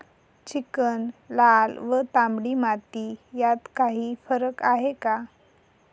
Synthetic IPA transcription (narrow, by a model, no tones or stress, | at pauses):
t͡ɕikənlalʋət̪ãmbɽiːmat̪ijat̪kaɦiːfəɾəkaɦeka